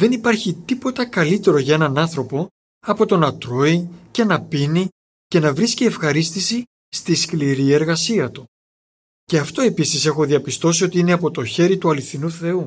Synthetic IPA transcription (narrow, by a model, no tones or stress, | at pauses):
ðe̞nipɐɾçit̪ipo̞t̪ɐkɐlit̪e̞ɾo̞ʝɐe̞nɐnɐnθɾo̞po̞ | ɐpo̞t̪o̞nɐt̪ɾo̞ice̞nɐpini | ce̞nɐvɾiscie̞fxɐɾist̪isi | st̪iskliɾie̞ɾɣɐsiɐt̪u | ce̞ɐft̪o̞e̞pisise̞xoðiɐpist̪o̞sio̞t̪iine̞ɐpo̞t̪o̞çe̞ɾit̪uɐliθinuθe̞u